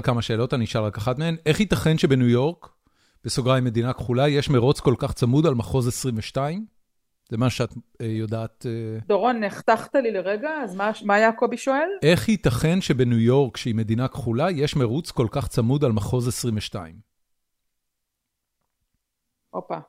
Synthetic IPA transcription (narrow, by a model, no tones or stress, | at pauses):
lkamaʃe̞ːlo̞taniʃalʁakaχatmeene̞χhitaχe̞nʃe̞benujo̞ʁk | b̥esoɡʁajime̞dinakχulaje̞ʃmeʁut͡sko̞lkaχt͡samudalmaχo̞zasʁiɱveʃtaim | z̥emaʃuʃeatjodaːt̪ed̪oʁoneχt̪aχt̪alileʁeɡaːzmamaːjakobiʃoelʔe̞χhit̪aχe̞nʃebe̞nujo̞ʁkʃeime̞d̪inakχulaje̞ʃmeʁut͡sko̞lkaχt͡samud̪almaχo̞zasʁiɱveʃta̰im | ʔopa